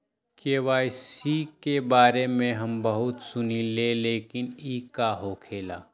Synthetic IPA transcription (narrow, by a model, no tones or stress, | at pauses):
keːʋaːisikebaːɾemẽɦɐmbɐɦʊt̪sʊnileleːkɪniːkaɦokʰeːla̰ː